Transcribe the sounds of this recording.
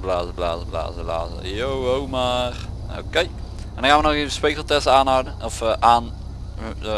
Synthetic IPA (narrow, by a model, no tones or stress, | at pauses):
blaːzəbla̰ːzəbla̰ːzəbla̰ːzə̰jowowmar | o̰kej | ɛndɔ̃xanʋənɔxeːvəspekəlˠtɛstaːnɦawdəɔfʔaːn